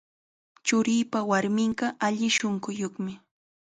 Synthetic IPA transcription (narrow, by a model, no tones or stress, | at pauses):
t͡ʃʊɾiːpawaɾmɪɴɢɑʔaʎɪʃoɴɢʊjoχmɪ